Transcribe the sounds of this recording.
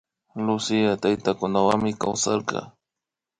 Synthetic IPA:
lʊsɪjat̪ajt̪akʊnawaŋmɪka̰wsaɾqɑ̰

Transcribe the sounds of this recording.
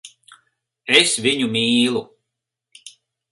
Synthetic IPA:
esviɲumiːlˠu

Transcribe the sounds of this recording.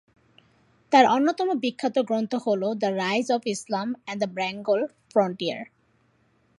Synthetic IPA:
t̪aɾonːot̪ɔmobikʰːat̪oɡɾont̪oholod̪ɐɾajzɔfislamɛ̃nɖd̪əbɾɛŋɡol | fɾɔɳʈia̰ɾ

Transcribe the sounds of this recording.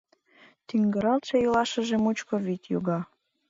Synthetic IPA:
t̪yŋɡə̆ɾɑlt̪ʃejolɑʃə̆ʒemut͡ɕkoβit̪ʲjo̰ɣɑ

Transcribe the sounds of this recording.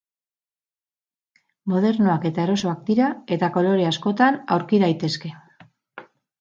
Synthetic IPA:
mo̞ð̞e̞ɾno̞ake̞t̪ae̞ɾo̞so̞ak̚d̪iɾae̞t̪ako̞lo̞ɾe̞asko̞t̪ana̰wɾkiðajt̪e̞ske̞

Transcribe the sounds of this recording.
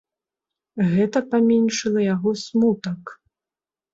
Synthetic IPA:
ɣɛt̪ɐpamʲɛnʲʂɨlˠɐjaɣɔsmut̪ɐk

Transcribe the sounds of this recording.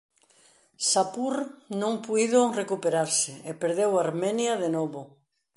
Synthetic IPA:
sapuɾnõŋpujðʊrekupeɾaɾsɪepeɾðewaɾmɛnjɐðenɔβʊ

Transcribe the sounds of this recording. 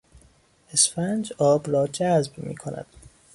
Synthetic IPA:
esfænd͡ʒɒːbrɒːd͡ʒæzbmḭːkʰonæ̰d̪̥

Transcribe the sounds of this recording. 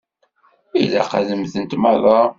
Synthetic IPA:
ilæ̰qæðəmθənt̪mɑðˤɑ

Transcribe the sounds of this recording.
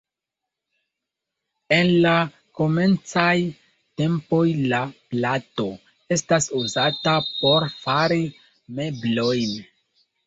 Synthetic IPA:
e̞nla | ko̞me̞nt͡saj | te̞mpo̞jlaplato̞ | e̞stasuzatapo̞ɾfaɾi | me̞blo̞jn

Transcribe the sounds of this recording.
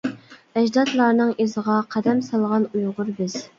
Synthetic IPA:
ɛd͡ʒd̪ɑt̪lˠɑɾnɨŋezəʁɑqʰɛd̪ɛmsɑlˠʁɑnujʁʊɾbɪz̥

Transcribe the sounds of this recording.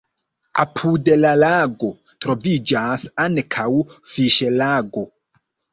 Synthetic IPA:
a̰pʰudelalaɡo̞ | tɾo̞vid͡ʒasankʰawfiʃelaɡo̞

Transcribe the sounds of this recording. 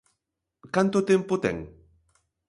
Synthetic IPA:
kant̪ʊt̪ɪmpʊt̪ɛ̰ŋ

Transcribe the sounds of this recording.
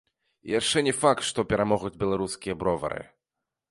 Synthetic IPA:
jaʂt͡ʂɛnʲɛfak̚t̪ʂt̪ɔpʲɛɾamɔɣud͡zʲbʲɛlˠaɾuskʲijɐbɾɔvɐ̰ɾɨ̰

